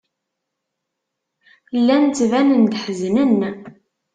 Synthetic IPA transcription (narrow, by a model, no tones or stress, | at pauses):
lːænt͡s̪ːvænənd̪ħəznən